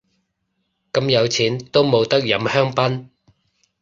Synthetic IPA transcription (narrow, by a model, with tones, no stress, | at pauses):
kɐ˨˧mjɐ˨˧wt͡sʰiː˨˥nt̪o˥wmo˨˧wt̪ɐ˥k̚jɐ˨˧mhœː˥ŋpɐ˥n